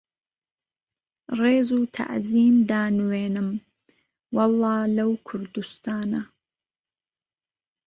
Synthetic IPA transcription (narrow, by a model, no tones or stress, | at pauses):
reːzuːt̪ʰa̰ʔziːmd̪aːnweːnɨm | wɑlˠːɑːlɐwkʰʊɾd̪ust̪aːnɐ